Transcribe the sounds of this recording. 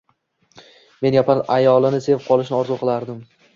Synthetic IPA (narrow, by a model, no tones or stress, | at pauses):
me̞njapʰanajɒlˠɪnɪse̞vqʰɒlˠɪʃnɪɒɾzʊqʰɨlˠaɾd̪ɪm